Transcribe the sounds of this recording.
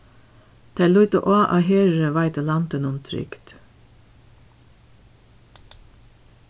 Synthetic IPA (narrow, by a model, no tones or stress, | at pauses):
t̪ʰɛlʉʏt̪ə̰ʔoːʔɑ̰heːɾəʋɑɪt̪əlɑnt̪ənɔmt̪ʰɾʏ̰kt̪